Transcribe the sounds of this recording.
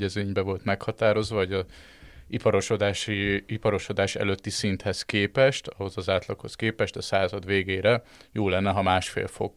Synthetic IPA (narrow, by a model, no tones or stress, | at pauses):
ɟɛzeːɲbɛvo̞lt̪mɛkhɒt̪aːɾo̞zʋɒoɟɒ | ipɒɾoʃod̪aːʃiipɒɾo̞ʃod̪aːʃɛ̰løt̪ːisint̪hɛskeːpɛʃt̪ɒɦo̞zɒzaːt̪lɒkhoskeːpɛʃt̪ɒsaːzɒd̪ʋeːɡeːɾɛ | joːlɛnːɛɦɒmaːʃfḛːlfo̰ɡ